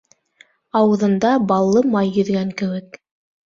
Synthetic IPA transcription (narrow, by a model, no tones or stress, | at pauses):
ɑwɤ̆ðɤ̆nd̪ɑbɑlˠːɤmɑjːɵ̆ðɡæŋkɘ̆wɘk̚